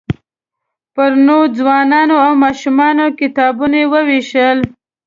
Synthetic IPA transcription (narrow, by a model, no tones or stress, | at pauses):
pəɾnod͡zwɑnɑnoawmɑʃumɑnokɪt̪ɑbunaewəweʃəl